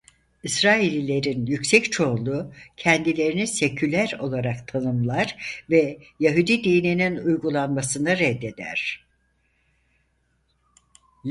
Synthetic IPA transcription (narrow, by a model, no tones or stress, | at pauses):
isɾaːilʲilʲe̞ɾinjycsɛct͡ʃʰo̞lˠucʰɛnd̪ilʲe̞ɾinisecʰylʲæɾo̞lˠaɾakt̪ʰanɯmlˠaɾ̥vɛjaɦud̪id̪ijnininujɡulˠanmasɯnaɾɛd̪ːe̞d̪æ̰ɾ̥